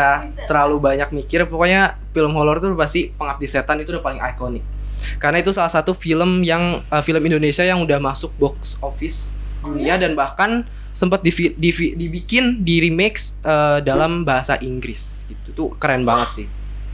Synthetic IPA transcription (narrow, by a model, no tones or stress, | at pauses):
a | t̪əɾalubaɲak̚mikɪrpokoɲa | filəmholɔrt̪upast̪ipəŋap̚diset̪anit̪udapalɪŋa̰jkonɪk̚ | kːarənait̪usalahsat̪ufiləmjaŋəfiləmindonesiajaŋudahmasʊk̚bɔksofɪs | duniadanbahkan | səmpət̪̚difidifidibikɪndiɾimeksʔədalambaɦasa̰ʔiŋɡɾɪs | ɡ̥it̪ut̪ukəɾanbaŋət̪sɪh